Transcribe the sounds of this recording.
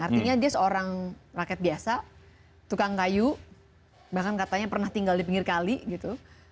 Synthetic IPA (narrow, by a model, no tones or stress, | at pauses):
art̪iɲadiasəoɾaŋrakɛt̪̚biasa | t̪ukaŋkaju | bahkankat̪aɲapərnaht̪iŋɡaldipiŋɡɪrkaliɡit̪u